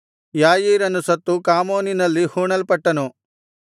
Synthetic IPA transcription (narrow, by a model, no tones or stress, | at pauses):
jaːjiːɾɐnːusɐt̪ːukaːmoːninɐlːihuːɳɐlpɐʈːɐnu